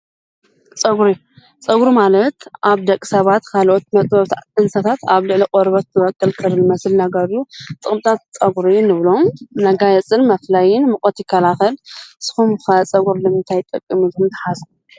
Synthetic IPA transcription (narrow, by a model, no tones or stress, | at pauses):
t͡sʼɐɡɾi | t͡sʼɐɡɾumalɐt̪ʔaβd̪ɐkʼːi̥sɐβat̪kʰalʔot̪mɐt̪ʼɐβt̪ʰat̪ʼɨnsɐt̪ʰat̪a̰βlɨʕlikʼoɾbɐt̪nɨβɐkʼːɨlkʰɨɾɨlmɐsɨlnaɡɐɾjut̪ʼɨkʼɨmt̪ʰat̪t͡sʼɐɡuɾijnːɨβlomnɐɡajɐt͡sʼɨnmɐflajɪnmɨχʼot̪jɪkʰːɐlaxɐlsɨ̥xumɐt͡sʼɐɡuɾlɨmɨnt̪ʰajt̪ʼɐkʼːɨmut̪ʰumt̪ʰɐħas